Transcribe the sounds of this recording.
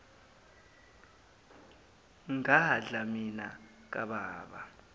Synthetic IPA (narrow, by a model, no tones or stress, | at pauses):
ŋaɦaɮamina | k̬ʼaɓaːɓa